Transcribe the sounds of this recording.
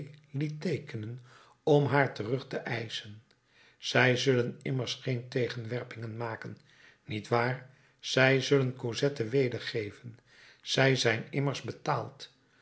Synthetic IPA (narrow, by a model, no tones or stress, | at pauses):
litejkənən | ɔmɦaːɹtərɵχtəʔɛjsən | z̥ɛjzɵlənɪməɹsχejntejχənʋɛɹpɪŋənmaːkən | nitʋaːɹ | z̥ɛjzɵlənkozɛtəʋejdəɹχejvən | z̥ɛjzɛjnɪməɹzbətaːlˠt